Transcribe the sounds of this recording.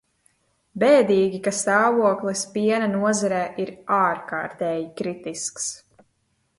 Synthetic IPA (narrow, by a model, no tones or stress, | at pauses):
bɛːd̪iːɡʲikast̪aːvuɔklˠispiɛnanuɔzaɾɛːʔiɾaːɾkaːɾt̪ɛːjikɾit̪isks